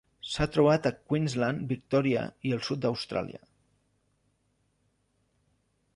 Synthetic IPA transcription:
sat̪ɾuβ̞at̪əkwinzlanbik̚t̪ɔɾiə̰iəlˠsut̪̚d̪əwst̪ɾa̰lḭə̰

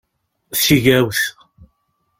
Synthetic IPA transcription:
θsiʝæwθ

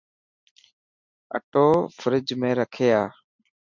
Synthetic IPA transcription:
ə̰ʈoːfʰəɾɪd͡ʒmẽːɾəkʰeːaː

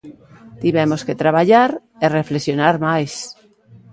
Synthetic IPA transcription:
t̪iβemosket̪ɾaβaʎaɾ | ereflesjonaɾmajs

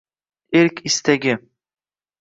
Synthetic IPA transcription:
eɾkʲʰɪst̪aɡʲɪ

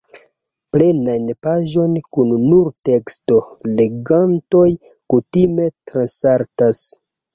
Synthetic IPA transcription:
ple̞nanpaʒo̞nkunːuɾte̞ksto̞le̞ɡanto̞j | kutime̞tɾansaɾtas

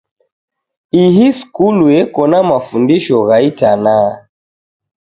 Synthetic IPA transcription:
iɦiskuluɛkɔnamafundiʃɔɣaitana

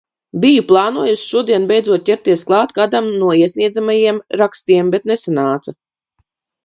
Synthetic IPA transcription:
bijuplˠɑːnuɔjusʃuɔd̪iɛnbɛjd̪zuɔt̪̚cʲɛɾt̪iɛsklˠɑːt̪kaːd̪amnuɔiɛsʲniɛd̪zamajiɛmɾakst̪iɛmbɛt̪nesanaːt̪sa

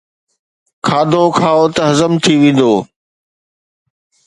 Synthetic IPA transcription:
kʰaːd̪okʰãːot̪əɦɐzəmt̪ʰiʋẽːn̆d̪oː

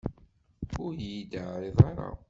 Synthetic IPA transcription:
ʊɾjid̪əʕɾeðˤɑɾɑ̰

